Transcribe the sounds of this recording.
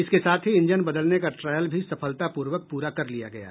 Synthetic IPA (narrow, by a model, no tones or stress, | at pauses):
ɪskesaːt̪ʰɦiɪ̃ɲd͡ʒənbɐd̪əlnekaʈɾaːjəlbʱisɐpʰəlt̪apuːɾʋək̚puːɾakɐɾlija̰ɡɐ̰ja̰ː